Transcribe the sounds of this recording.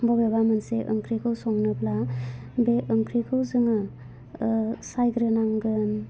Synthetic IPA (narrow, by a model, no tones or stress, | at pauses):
bɔbebamɯnseʔɯ̰ŋkʰɾikʰɯwsɔŋnɯplabeʔɯŋkʰɾikʰɯwzɯŋɯ | sajɡɾɯnaŋɡɯn